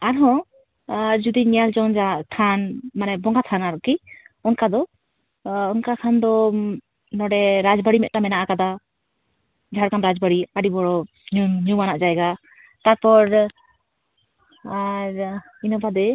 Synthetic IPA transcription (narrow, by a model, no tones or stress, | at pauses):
aɾɦɔ̃ | d͡ʒud̪iɲɛjald͡ʒɔnd͡ʒat̪ʰanmanɛbɔŋɡat̪ʰanaɾɔʔkiɔnkad̪ɔː | nkakʰand̪ɔ | nɔɖɛɾad͡ʒbəɽimɛt̪̚ʈamɛnaʔakad̪a | d͡ʒʱaɽkanɾad͡ʒbəɽiaɖibɔɽɔ | ɲuɲumanaʔd͡ʒaɛɡa | t̪aɾpɔɾ | aɾ | inɔbad̪ɛ